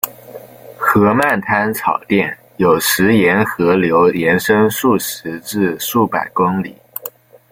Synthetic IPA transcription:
xɤ˧˥ma˥˩nt̪ʰa˥nt͡sʰɑ˨˩ʊt̪jɛ˥˩n | jo˨˩ʊʂɻ̩˧˥jɛ˧˥nxɤ˧˥ljo˧˥ʊljɛ˧˥nʂɤ˥ŋʂu˥˩ʂɻ̩˧˥ʈ͡ʂɻ̩˥˧ʂu˥˩pa̰˨˩ɪkʊ˥ŋlḭ˨˩˦

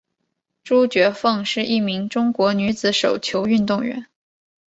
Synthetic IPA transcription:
ʈ͡ʂu˥t͡ɕɥɛ˧˥fɤ˥˧ŋʂɻ̩˥˧ʔi˥˩mi˧˥ŋʈ͡ʂʊ˥ŋkwɔ˧˥ny˧˥t͡sɹ̩˧˥ʂo˨˩ʊt͡ɕʰjo˧˥ʊy˥˧nt̪ʊ˥˩ŋɥɛ̰˧˥n

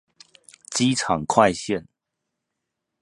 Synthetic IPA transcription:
t͡ɕi˦ʈ͡ʂʰɑ˨˩ŋkʰwa˥˧ɪɕjɛ˥˨n

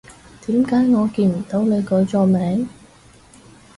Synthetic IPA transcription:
t̪iː˨˥mkaː˨˥jŋɔː˨˧kiː˧nm̩˨˩t̪o˨˥wne˨˧jkɵ˨˥jt͡sɔː˧mɛː˨˥ŋ

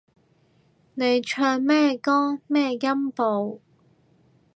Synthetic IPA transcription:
ne˨˧jt͡ʃʰœː˧nmɛː˥kɔː˥ŋmɛː˥jɐ˥mpo˨˧w

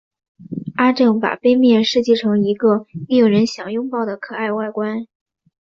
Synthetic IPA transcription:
a˥ʈ͡ʂɤ˥˩ŋpa̰˨˩pe˥ɪmjɛ˥˧ʂɻ̩˥˧t͡ɕi˥˩ʈ͡ʂʰɤ˧˥ŋi˧˥ɡə˧mi˥˩jo˨˩ʊɻə˧˥nɕjɑ˨˩ŋjʊ˥ŋpɑ˥˩ʊd̪ə˩kʰɤ˨˩a˥˧ɪwa˥˩ɪkwa˥n

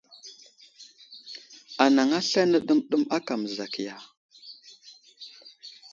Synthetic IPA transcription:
a˨na˨ŋa˦ɬa˦nə˦ɗə˦mɗu˦ma˦ka˨m˨za˨ki˨ja˨

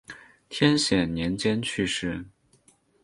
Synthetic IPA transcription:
t̪ʰjɛ˥nɕjɛ˨˩nnjɛ˧˥nt͡ɕjɛ˥nt͡ɕʰy˥˧ʂɻ̩˥˩

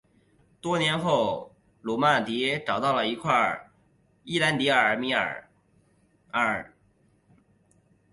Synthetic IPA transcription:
t̪wɔ˥njɛ˧˥nxo˥˩ʊ | lɔ˨˩ma˥˩t̪i˧˥ʈ͡ʂɑ˨˩ʊt̪ɑ˥˩ʊlə˩i˧˥kʰwa˥˩ | i˥˩la˧˥nt̪i˧˥ə˞˨˧˥mi˧˥ə̰˞˨˩ | ə˥˩

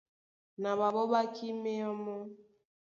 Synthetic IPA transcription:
na˨βa˨bɔ˦ba˦ki˦me˦ɔ˦mɔ˦

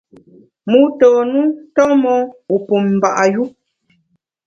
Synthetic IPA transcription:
mu˦tɔː˨nu˦tɔ˦mɔ˦u˨pu˨m̩˨ba˨ʔa˨ju˦

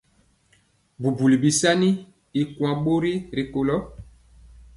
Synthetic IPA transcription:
bu˨bu˨li˨bi˨sa˦ni˦ | i˨kwã˨ɓo˦ɾi˦ɾe˨ko˨lɔ˦

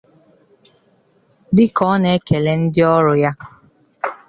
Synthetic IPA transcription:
dɪ˦kɔ˦ne˦ke˨le˨n̩˦dɪ˦ɔ˦ɾʊ˨ja˦

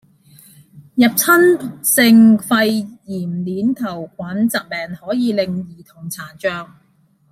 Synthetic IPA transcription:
jɐ˨p̚t͡sʰɐ˥nsɪ˧ŋfɐ˧jjiː˨˩mliː˨˥nt̪ʰɐ˨˩wkʷwaː˨˥nt͡sɐ˨k̚mɛː˨ŋhɔː˨˥jiː˨˧lɪ˨ŋjiː˨t̪ʰʊ˨˩ŋt͡sʰaː˨˩t͡ʃœː˧k̚

